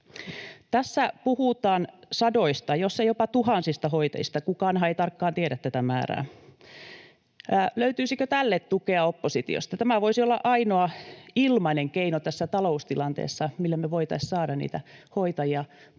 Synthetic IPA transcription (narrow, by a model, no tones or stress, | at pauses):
t̪æsːæpuhut̪ɑːnsɑdoist̪ɑjosːejopɑt̪uhɑnsist̪ɑhoit̪ɑ̰ist̪ɑkukɑnɦɑeit̪ɑrkːɑːnt̪ieɾæt̪t̪æt̪æmæ̰ːræ̰ː | løyt̪yːsikøt̪ælːet̪t̪ukeɑopːosit̪ḭo̰st̪ɑt̪æmæʋoisiolːɑ̰ʔɑinoɑilmɑineŋkeinot̪æsːæt̪ɑloust̪ilɑnt̪ḛːsːɑmilːæmeʋoit̪ɑissɑːdɑnnḭːt̪æhoit̪ɑjiɑ